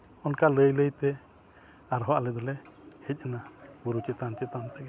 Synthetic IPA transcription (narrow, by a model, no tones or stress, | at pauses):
ɔnkaləjləjt̪ɛ | aɾɦɔaʔlɛd̪ɔlɛhɛc̚ˀənabuɾut͡ʃɛt̪ant͡ʃɛt̪ant̪ɛk